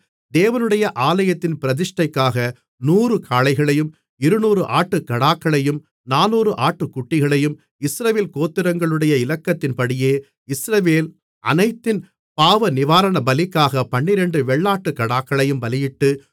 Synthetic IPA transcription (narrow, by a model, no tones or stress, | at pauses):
d̪eːʋɐnɯɽɐjɐʔaːlɐjɐt̪ːɪnpɪɾɐðɪʂʈɐɪkːaːɣɐ | nuːrɯkʰaːlɐɪɣɐɭɐjɯm | ɪɾɯnuːɾɯʔaːʈːɯkɐɽaːkːɐɭɐjɯm | naːnuːɾɯʔaːʈːɯkːʊʈːɪɣɐɭɐjɯm | ɪsɾɐʋeːlkoːt̪ːɪɾɐŋɡɐɭɯɽɐjɐɪlɐkːɐt̪ːɪnpɐɽɪjeː | ɪsɾɐʋeːl | ʔɐ̰nɐɪt̪ːɪn | paːʋɐnɪʋaːɾɐɳɐbɐlɪkːaːɣɐpɐɳːɪɾɛɳɖɯʋɛɭːaːʈːɯkɐɽaːkːɐɭɐjɯmbɐlɪjɪʈːɯ